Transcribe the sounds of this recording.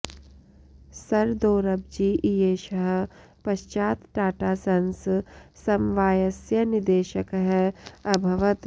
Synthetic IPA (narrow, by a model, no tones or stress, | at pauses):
sɐɾd̪oːɾɐb̚d͡ʒiːʔijeːʃɐɦ | pɐʃt͡ʃaːt̪ʈaːʈaːsɐnssɐmʋaːjɐsjɐnɪd̪eːʃəkɦɛɐbʱɐʋət̪